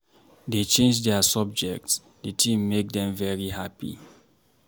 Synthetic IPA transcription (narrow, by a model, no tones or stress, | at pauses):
det͡ʃẽnd͡ʒdɛasɔb̚d͡ʒɛk̚ts | detʰĩmːek̚dɛ̃mvɛɹihapḭ